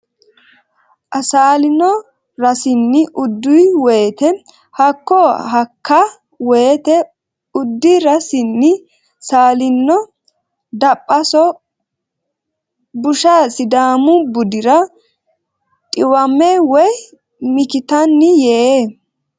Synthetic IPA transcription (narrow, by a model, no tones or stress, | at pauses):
ʔɐsaːlɪnːɔ | ɾɐsɪnːɪʔʊd̪ːʊjweːt̪ɛ | hɐkːɔɦɐkʰːɐ | weːt̪ɛ | ʊd̪ːɪɾɐsɪnːɪ | saːlɪnːɔ | d̪ɐpʼːɐsɔ | bʊʃɐsɪd̪aːmʊbʊd̪ɪɾɐ | t̪ʼɪwɐmːɛwɔj | mɪkɪt̪ɐnːɪjɛ